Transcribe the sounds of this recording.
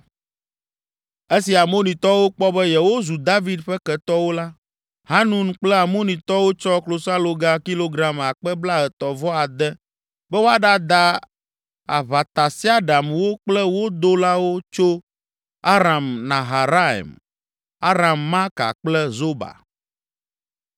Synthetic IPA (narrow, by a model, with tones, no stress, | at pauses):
e˦si˨a˨mo˦nĩ˨t̪ɔ˦wo˦k͡pɔ˦bɛ˦jɛ˨wo˦zu˨d̪a˦vi˦d̪ɸɛ˦kɛ˨t̪ɔ˦wo˦la˦ | ɦa˦nũ˨n˦k͡plɛ˦a˨mo˦nĩ˨t̪ɔ˦wo˦t͡ʃɔ˦klo˨sa˦lo˨ɡa˦ki˦lo˦ɡɾa˨ma˨k͡pɛ˦bla˦ɦɛ˨t̪ɔ˨vɔ˦a˨d̪ɛ˦ | bɛ˦wo˦a˦ɖa˦d̪a˦ | a̰˨βa˨t̪a˨si˦a˦ɖa˨mwo˦k͡plɛ˦wo˦d̪o˦la˦wo˦t͡ʃo˦ | a˦ɾa˨mnã˨ɦa˨ɾa˦ɛ̰˨m | a˦ɾa˨mːã˦ka̰˨k͡plɛ˦zo˦ba̰˨